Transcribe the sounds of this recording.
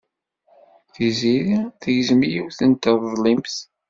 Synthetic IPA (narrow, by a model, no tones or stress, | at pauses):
θiziɾiθəʝəzmjiwθənt̪əððˤlimθ